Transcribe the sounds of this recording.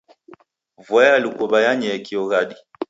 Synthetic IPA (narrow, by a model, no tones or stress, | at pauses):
vajaːlikɔbajaɲɛkiɔɣadi